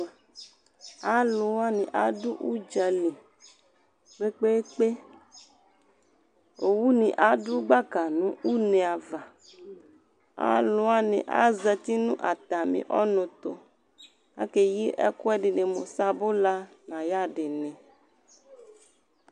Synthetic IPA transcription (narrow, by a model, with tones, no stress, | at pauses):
a˦lũ˨wa˦nĩ˨ʔa˦du˦ʔu˦d͡ʒa˨li˨ | k͡pe˦k͡pe˦k͡pe˦ | o˨wu˦nĩ˨ʔa˨˦du˦ɡ͡ba˦ka˨nũ˦ʔu˦nẽ˨a˨va˨ | a̰˦lũ˨˦a˦nḛ̃˨ʔa̰˦zɛ˨t̪i˦nũ˦ʔa˨t̪a˨mḭ̃˨ʔɔ˦nõ˨t̪o˨ | a̰˦ke˨ji˦ʔɛ̰˦kɔ˦ɛ˦ɖi˨ne˨mo˨sa˦bo˦la˦ | nã˨ja˦ɖe˨nẽ˨